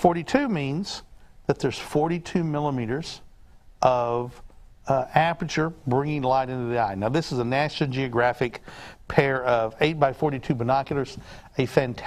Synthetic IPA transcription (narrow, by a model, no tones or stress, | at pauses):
fɔɹɾitʰʉmĩnz̥ðɨt̪̚ðə˞z̥fɔɹɾitʰʉmɪlˠəmiɾə˞z̥ʔʌv | æpət͡ʃə˞bɹɪ̃ŋɪ̃ŋlaɪɾɪ̃ntʉðiaɪnaʊðɪsəzənæʃ̩ˠd͡ʒiɨɡɹæfɨkpʰɛɹʌveɪt̚b̥aɪfɔɹɾitʰʉbɨnɑkjl̩ˠə˞z̥ | ɨfæ̃ntʰ